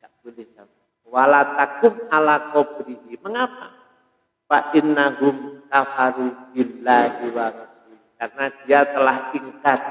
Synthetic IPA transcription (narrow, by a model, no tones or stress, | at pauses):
kaʔbulɪsa | walat̪akʊmalakobɾiɦiməŋapa | paʔinːaɦʊmkafaɾuɡilːaiwaɾusi | karnad̥iat̪əlahtiŋkat̪̚